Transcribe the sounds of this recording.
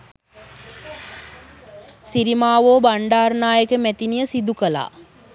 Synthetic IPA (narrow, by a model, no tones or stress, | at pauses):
siɾimaːʋoːbaɳɖaːɾnaːjəkəmæt̪inijəsid̪ukəla̰ː